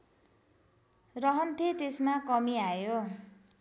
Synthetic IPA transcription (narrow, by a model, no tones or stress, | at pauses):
rʌɦʌnt̪ʰet̪esmakʌmiajo